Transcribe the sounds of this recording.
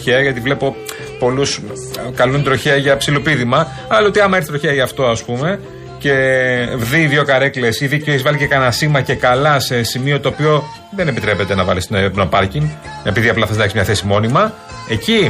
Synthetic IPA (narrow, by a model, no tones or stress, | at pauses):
çeɐʝɐt̪ivle̞po̞ | po̞lus | kɐlund̪ɾo̞çeɐʝɐpsilopiðimɐ | ɐlɐot̪iɐmɐeɾçθit̪ɾoçeɐʝɐːft̪o̞ɐspume̞ | ce̞vðiːðʝo̞kɐɾekle̞siðicoeçizvɐlicekɐnɐsimɐce̞kɐlɐse̞simio̞t̪o̞ːpio̞ | ðe̞ne̞pit̪ɾe̞pe̞t̪e̞nɐvɐlist̪nepnopɐɾciŋɡe̞piðiɐplɐθɐzneksmɲɐθe̞simo̞nimɐ | e̞ci